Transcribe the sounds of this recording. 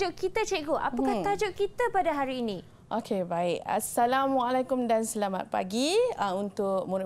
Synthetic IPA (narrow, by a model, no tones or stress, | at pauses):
ʊʔkit̪at͡ʃeʔɡoʔa̰pakah̪ad͡ʒʊʔkit̪əpadaɦaɾiːnĩ | ʔokʰebaɪk̚a̰salamwaalakʊmdansəlama̰t̪̚pa̰ɡiaunt̪ʊk̚muɾ